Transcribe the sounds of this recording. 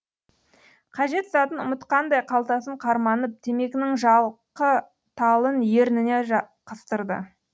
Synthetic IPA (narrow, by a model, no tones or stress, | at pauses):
qʰɑʒe̞t̪zɑt̪ənʊmət̪qɑnd̪ɑjqʰɑlˠt̪ɑsəɴqʰɑɾmɑnəp̚t̪ʰe̞me̞kʲɪnɪŋʒɑlˠqə | t̪ʰɑlˠənje̞ɾnɪne̞ʒɑqʰəst̪əɾd̪ə̰